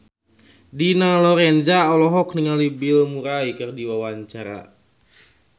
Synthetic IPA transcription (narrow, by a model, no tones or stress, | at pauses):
dinalɔɾɛnzaɔlɔɦɔkniŋalibilmuɾaikɨrdiwawaɲt͡ʃaɾa̰